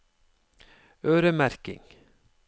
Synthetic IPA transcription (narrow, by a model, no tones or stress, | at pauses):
øːɾəmæɾkɪ̰ŋ